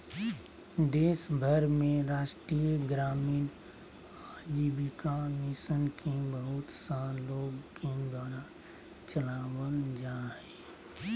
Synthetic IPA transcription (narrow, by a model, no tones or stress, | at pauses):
d̪eːsbʱəɾmẽɾaːʃʈɾiːəɡɾaːmiːn | aːd͡ʒiːbikamisənkʰebəɦʊt̪saːloːɡked̪waːɾa | t͡ʃəlaːwəld͡ʒaːɦɛ